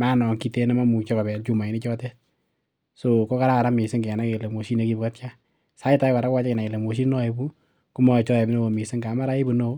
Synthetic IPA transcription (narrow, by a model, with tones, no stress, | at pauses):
ma˦nɔ˨ŋki˨te˦ne˦ma˦mu˨t͡ʃɔ˦ka˨bɛ˨lt͡ʃu˦ma˨i˨ni˦t͡ʃɔ˦te˦ | so˨ko˦ka˦ɾa˦ka˨ɾa˦mi˨sɪ˦ŋke˨na˦ke˨le˨mwo˨ʃi˦ne˦ki˦bu˦ka˦tt͡ʃa˦ | sa˦i˦ta˦ka˨ɾa˦kwa˦t͡ʃa˦ke˨na˨ke˨le˨mo˨ʃ̬i˦nɔ˦e˨bu˦ | ku˦mɔ˦˨t͡ʃɔ˦ɛ˨bi˦no˦o˨mi˨sɪ˦ŋɡa˨˦ma˦ɾa˦i˦bu˨no˦